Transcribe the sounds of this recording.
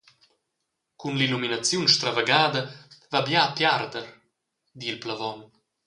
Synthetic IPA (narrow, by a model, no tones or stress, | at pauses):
kunliluminat͡sjunʃt̪ɾavaɡaːd̪əvabjaːpjard̪əɾ | d̪ilplavɔn